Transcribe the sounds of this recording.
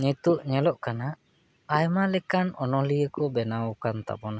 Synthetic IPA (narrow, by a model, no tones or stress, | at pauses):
ɲit̪uʔɲɛlɔʔkanaʔ | ajmalɛkanɔnɔlijəkɔbɛnaukant̪a̰bɔna